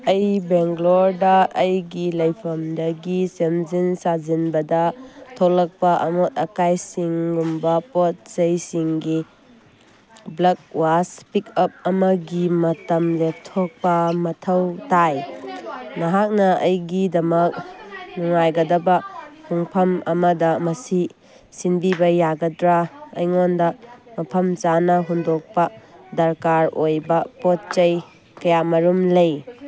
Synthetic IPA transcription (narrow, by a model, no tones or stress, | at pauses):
ɐjbeŋɡloɾdɐːjɡilɐjpʰɐmdɐɡisemzinsazinbɐdɐtʰowlɐk̚pɐʔɐmot̚ɐkajsiŋɡumbɐpot̚zɐjsiŋɡi | blɐk̚waspikɐp̚ɐmɐɡimɐtɐmlek̚tʰɔk̚pɐmɐtʰɐwtaj | mɐɦak̚nɐɐjɡidɐmɐk̚nuŋajɡɐdɐbɐmuŋpʰɐmɐmɐdɐmɐsi | sinbibɐjaɡɐdɾaɐ̰jŋondɐmɐpʰɐmt͡ʃanɐɦundok̚pɐdɐɾkaɾojbɐpot̚t͡ʃɐj | kɐjamɐɾumlɐj